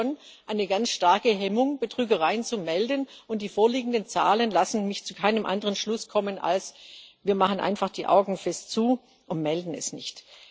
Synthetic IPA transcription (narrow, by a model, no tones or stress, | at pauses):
onʔaɪnəɡant͡sʃtaɐkəɦɛmʊŋb̥ətʁ̥yːɡɐʁ̞aɪənt͡sumɛldənʔʊnt̚d̥iːfoːɐliːɡŋ̩dənt͡sa̰ːlənlasn̩mɪçt͡sukʰaɪnəmʔa̰ndəʁənʃlʊskʰɔmənʔa̰lsviːɐmaχənʔa̰ɪnfaχd̥iːʔa̰ʊɡŋ̩fɛstt͡suː | ʔʊntmɛldn̩ɛ̰snɪ̰çt